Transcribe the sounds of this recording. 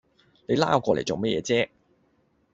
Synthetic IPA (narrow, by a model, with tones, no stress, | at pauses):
ne˨˧jla̰ː˥˨kʷɔː˧le˨˩jt͡so˨wmɐ˥jɛː˧t͡sɛː˥